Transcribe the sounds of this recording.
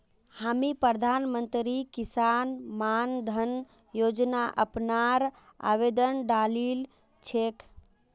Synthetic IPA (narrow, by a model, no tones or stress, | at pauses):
hamipɾəd̪ʱanmənt̪ɾikisanmand̪ʱən | jod͡ʒnaʔəpnaɾ | a̰ʋed̪ənɖalil | t͡ʃʰek